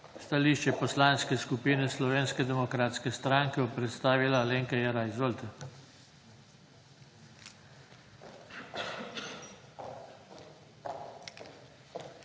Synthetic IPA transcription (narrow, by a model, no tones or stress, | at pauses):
st̪aliːʃt͡ʃɛpɔslaːnskɛskupiːnɛslɔʋeːnskɛd̪ɛmɔkɾaːt̪skɛst̪ɾaːŋkɛɔpɾɛt̪st̪aːʋilaleːŋkɛjɛɾajzɔlt̪a